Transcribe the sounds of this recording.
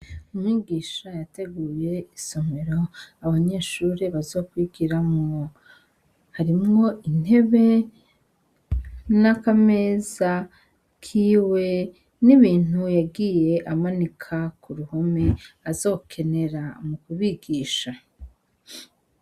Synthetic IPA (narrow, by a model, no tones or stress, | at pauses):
umŋiːɡiːʃajate̞ɡuːje̞iso̞meɾo̞aβaɲe̞ːʃuɾiβazokwiɡiɾamŋo | haɾimŋo̞ʔin̥e̞βe̞ | nakame̞ːza | kʰiːwe̞ | niβiːn̥ujaɡiːje̞ʔamanikʰakʰuɾuho̞me̞azo̞ːkʰe̞ne̞ɾamukuβiɡiːʃa